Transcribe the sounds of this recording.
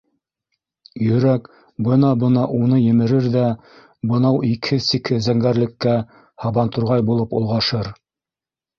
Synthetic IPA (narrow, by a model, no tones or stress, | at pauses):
jɵ̆ɾæk | bɤnɑbɤnɑʔunɤjɘ̆mɘ̆ɾɘɾðæ | bɤ̆nɑwikʰɘsikʰɘzæŋɡæɾlɘ̆kːæ | hɑβɑnt̪ŏɾʁɑjbulˠɤpṵ̆lˠʁɑʃɤɾ